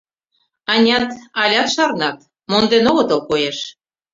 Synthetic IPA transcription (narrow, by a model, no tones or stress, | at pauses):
ɑnʲɑt̪ɑlʲɑt̪ʃɑrnɑt̪ | mond̪enoɣɤ̆t̪ɤ̆lkojeʃ